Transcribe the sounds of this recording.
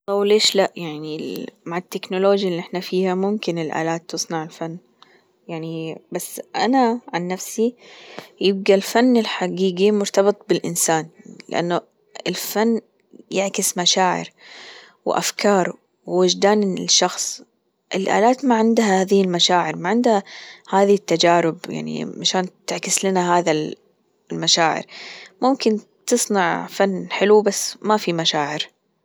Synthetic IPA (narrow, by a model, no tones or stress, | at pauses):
awleːʃlaʔjaʕnimaʕɪt̪ːɪknʊloːd͡ʒjaliʔɪħnafiːhamʊmkɪnɪlʔa̰ːlaːt̪ːɨsˤnɑʕɪlfanː | jaʕnibasːʔanaʕanːafsi | jɪb̚ɡalfanːɪlħaɡiːɡimʊɾt̪ɑbɨt̪ˤbɪlʔɪnsaːnlɪ̰ʔa̰nːʊ | ɪlfanː | jɪʕkɪsmaʃaːʕɪ̰ɾ | wʔa̰fkʰɑːɾˤ | wːɪd͡ʒd̪aːnʃːɑxsˤ | ʔɪlʔa̰ːlaːt̪maʕɪnd̪hahaːðɪhɪlmaʃaːʕɪɾmaʕɪnd̪hahaːðit̪ːad͡ʒaːɾɪbja̰ʕnḭʕaʃaːnt̪ɪʕkɪslɪnaɦaːða | lmaʃaːʕɪ̰ɾmʊmkɪn | t̪ɨsˤnɑʕfanːħɪlubasːmafimaʃaːʕɪɾ